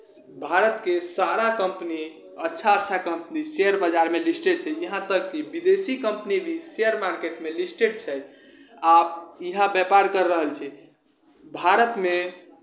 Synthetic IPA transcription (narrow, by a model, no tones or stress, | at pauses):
bʱaɾət̪kesaɾakə̃mpni | ətːʃʰaətːʃʰakəmpniseəɾbəd͡ʒaɾmelisʈeɖ̚t͡ʃʰɛjəɦãt̪əkːebid̪esikəmpnibʱisejəɾmaɾkeʈmelisʈeɖ̚t͡ʃʰɛ | aiɦãbjɛpaɾkəɾːəɦəlt͡ʃʰɛ | bʱaɾət̪me